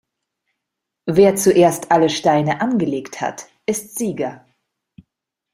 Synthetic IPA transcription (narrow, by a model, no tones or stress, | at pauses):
veːɐt͡suʔeːɐstʔaləʃtaɪnəʔanɡəleːktha̰t | ʔɪstz̥iːɡɐ